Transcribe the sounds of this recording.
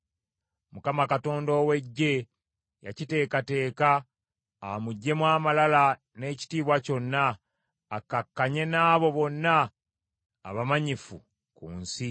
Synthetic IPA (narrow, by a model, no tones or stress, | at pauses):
mukamakato̞ːndo̞ːwe̞ɟːe̞ | ja̰cite̞ːkate̞ːkaː | muɟːe̞mwaːmalala | ne̞ːci̥tiːβwaco̞nːaː | kːakːaɲe̞naːβo̞βo̞nːa̰ː | βamaɲifu | kuːnsi